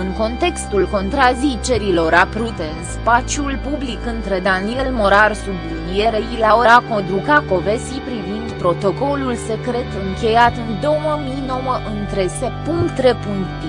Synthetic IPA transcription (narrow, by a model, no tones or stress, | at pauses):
ɨŋko̞nt̪e̞kst̪ulko̞nt̪ɾazit͡ʃe̞ɾilo̞ɾapɾut̪e̞ɨnspat͡ʃjulpublikɨnt̪ɾe̞d̪anie̞lmoɾarsublinije̞ɾeilaoɾakod̪ɾukako̞ve̞sipɾivind̪pɾo̞t̪o̞ko̞lulse̞kɾe̞t̪ɨŋkʲe̞jat̪ɨnd̪o̞məminowəʔɨnt̪ɾe̞sepuŋkt̪ɾe̞puŋkt̪i